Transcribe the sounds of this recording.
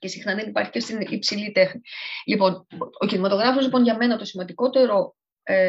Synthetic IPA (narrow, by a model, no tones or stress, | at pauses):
ce̞sixnɐðe̞nipɐ̰ɾçi̥cest̪inipsilit̪e̞xnilipo̞nocinimɐt̪o̞ɣɾɐfo̞zlipo̞nʝɐme̞nɐt̪o̞simɐnd̪iko̞t̪e̞ɾo̞ | e